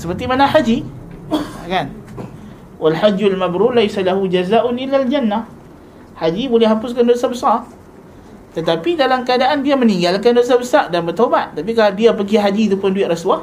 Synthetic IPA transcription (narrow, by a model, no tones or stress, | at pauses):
səpərt̪imanahad͡ʒi | kan | walħad͡ʒːalmabɾulajsalaɦud͡ʒazaːʔʊnʔɪlːald͡ʒanːa | had͡ʒibolɛhɦapʊskandosabəsar | t̪ət̪apidalamkəadaʔanbiaməniŋɡalkandos̬abəsardanbərt̪obat̪̚t̪ːap̬ik̬aladiapəɡiɦad͡ʒiːt̪upʊnduɪt̪ʔɾaswa